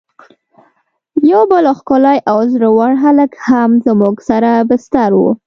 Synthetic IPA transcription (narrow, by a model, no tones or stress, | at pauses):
jawbəloxkolajʔawzɾawaɽɦaləkhamzəmuɡsaɾabɪst̪aɾwṵ